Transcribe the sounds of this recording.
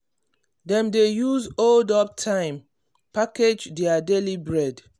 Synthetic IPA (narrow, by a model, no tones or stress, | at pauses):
dɛ̃mdejuzoldɔp̚tʰãɪ̃m | paked͡ʒdɛadelibɹɛd